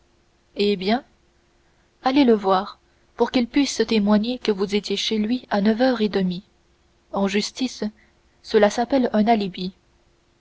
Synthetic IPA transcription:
ebjɛ̃ | aleləvwaːʁ | puʁkilpɥisət̪emwaɲekəvuzet̪jeʃelɥianəvœːʁed̪əmi | ɑ̃ʒyst̪is | səlasapɛlɛ̃nalibi

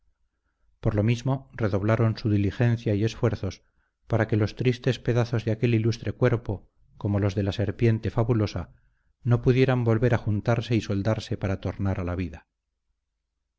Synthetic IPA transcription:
po̞ɾlo̞mizmo̞re̞ðo̞β̞laɾo̞nsuðilixe̞nθjaie̞sfwe̞ɾθo̞s | paɾake̞lo̞st̪ɾist̪e̞spe̞ðaθo̞zðeake̞lilust̪ɾe̞kwe̞ɾpo̞ | ko̞molo̞zðe̞lase̞ɾpje̞nt̪e̞faβulo̞sa | no̞puðje̞ɾambo̞lβe̞ɾaxunt̪aɾse̞iso̞ld̪aɾse̞paɾat̪o̞ɾnaɾalaβ̞iða

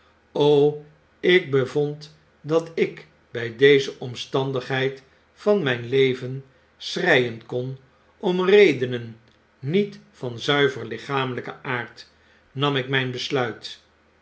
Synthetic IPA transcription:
ow | ɪk̚bəvɔnt | dɑtɪk | bɛjdejzəʔɔmstɑndəχɦɛjt | fɑnmɛjnlejvən | srɛjənkɔn | ɔmrejdənənː | itfɑnzœɥvərlɪχaːmələkəʔaːɹt | nɑmɪkmɛjnbəslœɥt

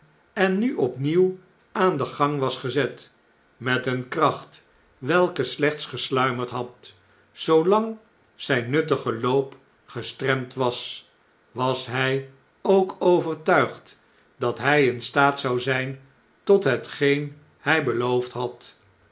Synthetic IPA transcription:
ɛnːyʔɔpniw | ʔaːndəχɑŋʋɑsχəzɛt | mɛtənkrɑχt | ʋɛlˠkəslɛχt̪sχəslœɥməɹtɦɑt | sowlɑŋ | z̥ɛjnːɵtəχəloʊp | χəstrɛmtʋɑs | ʋɑsɦɛj | owkowvərtœɥχt | dɑtɦɛjɪnstaːtsɑwzɛjn | tɔtɦətχejn | hɛjbəlowftɦɑt

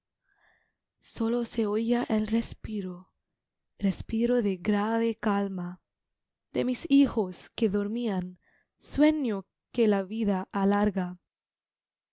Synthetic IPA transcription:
soloseoiaʔelrespiɾo | respiɾoðeɡɾaβe̞kalma | ðemisixoskeðoɾmian | swe̞ɲo | kelaβiðaʔːlaɾɣa

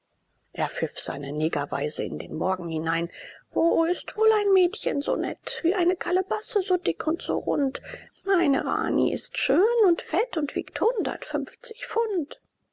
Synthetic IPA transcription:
ʔeːɐfɪfz̥a̰ɪnəneːɡava̰ɪzəɪ̰ndḛːnmɔɐɡŋ̩hɪnaɪnvoːɪstv̥oːlaɪnmɛːtçənzo̰ːnɛ̰tv̥iːʔaɪnəkʰaləbasəzoːdɪkʰʊntz̥o̰ːʁʊnt | maɪnə̰ʁa̰ːnḭʔɪ̰stʃøːnʊntfɛtʊntv̥ḭːkthʊndɐ̰tfʏmft͡sɪ̥çfʊnt

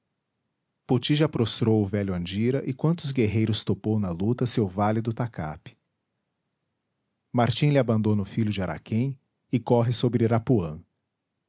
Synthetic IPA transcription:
pot͡ʃiʒapɾost̪ɾowʊvɛlʊɐ̃d͡ʒiɾɐʔɪkwɐ̃nt̪ʊzɡeɦejɾʊst̪opownɐlut̪ɐsewvalid̪ʊt̪aka̰pɪ̥ | maɾt͡ʃĩlɪabɐ̃nd̪onʊfiʎʊd͡ʒɪaɾʔa̰kʰẽj̃ | ɪkɔɦɪsobɾɪɾapuɐ̰̃

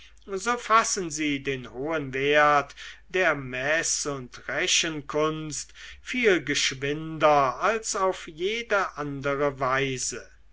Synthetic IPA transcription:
zoːfasənziːdeːnhoːənveɐtd̥eːɐmɛsʊntʁɛʃənkʰʊnstfiːlɡəʃvɪndɐalsaʊfjeːdəʔandəʁəvaɪzə

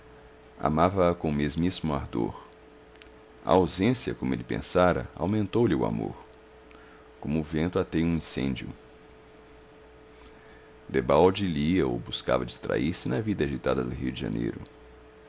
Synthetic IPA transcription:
a̰mavɐːkõmezmismʊaɾd̪oɾ | ɐ̰awzẽsiɐ̰kõmʊelɪpḛ̃saɾɐ̰a̰wmẽnt̪owlɪʊa̰moɾ | kõmʊːvẽnt̪ʊat̪eũĩsḛ̃d͡ʒjʊ̰ | d̪ebawd͡ʒiliɐo̰wbuska̰vɐd͡ʒist̪ɾa̰iɾsɪnɐvid̪ɐaʒit̪ad̪ɐd̪ʊɦiʊd͡ʒɪʒɐ̰̃nḛjɾʊ

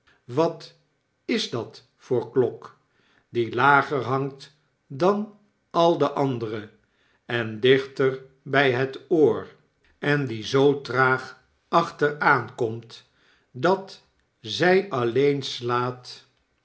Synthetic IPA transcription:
ʋɑt | ɪzdɑt | fʊːɹklɔk | dilaːχəɹɦɑŋt | dɑn | ɑlˠdəʔɑndərə | ɛndɪχtər | bɛjɦətoːɹ | ɛndizowtraːχ | ɑχtəraːnkɔmt | dɑt | zɛjɑlejnslaːt

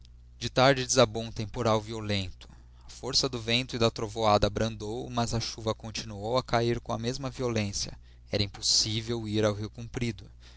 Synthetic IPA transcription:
d͡ʒɪt̪aɾd͡ʒɪd͡ʒɪzabõw̃t̪ẽmpoɾawviolẽnt̪ʊ̥ | ɐfoɾsɐd̪ʊvẽnt̪ʊid̪ɐt̪ɾovoad̪ɐbɾɐ̃nd̪owmɐzɐʃuvɐkõt͡ʃinuowɐkaiɾkõɐmezmɐviolẽsjɐ̰ | ɛɾɐĩposivewiɾawɦiwkũmpɾid̪ʊ

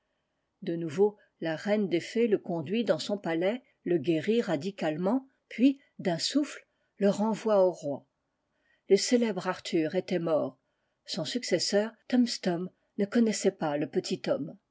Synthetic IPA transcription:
d̪ənuvo | laʁɛnd̪efeləkɔ̃d̪ɥid̪ɑ̃sɔ̃palɛ | ləɡʲeʁiʁad̪ikalmɑ̃ | pɥi | d̪ɛ̃sufl | ləʁɑ̃vwaoʁwa | leselɛbʁaʁt̪ʰyʁet̪ɛmɔːʁ | sɔ̃syksɛsœːʁt̪ɔmst̪ɔm | nəkɔnɛsɛpaləpət̪ʰit̪ɔm

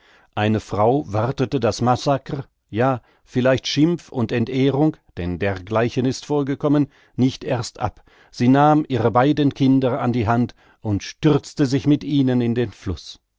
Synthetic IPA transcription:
ʔaɪnəfʁ̥aʊvaʁtətədasmasakə | jaː | fɪlaɪçtʃɪmfʊ̰ntɛntʔeːʁʊŋd̥ɛndeːɐɡlaɪçənɪstfoːɐɡəkʰɔmən | nɪçtʔeːɐstʔa̰p | z̥iːnaːmʔiːʁəbaɪdənkʰɪndɐa̰ndiːɦant | ʔʊntʃtʏʁt͡stəzɪçmɪtʔiːnənɪndeːnflʊs

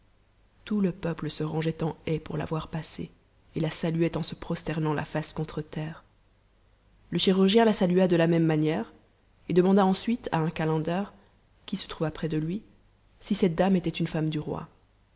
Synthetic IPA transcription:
t̪uləpœpləsəʁɑ̃ʒɛt̪ɑ̃ɛpuʁla̰vwaʁpasḛ | elasalyɛt̪ɑ̃səpχɔst̪ɛʁnɑ̃la̰faskɔ̃t̪χət̪ɛːʁ | ləʃiʁyʁʒjɛ̃lasalyad̪əlamɛmːanjɛʁ | ed̪əmɑ̃d̪aɑ̃sɥit̪ʰa̰ɛ̃kalɑ̃d̪ɛʁ | kʲisə̥t̪χuvapχɛd̪əlɥi | sisɛt̪̚d̪amet̪ɛt̪ynfamd̪yʁwa̰

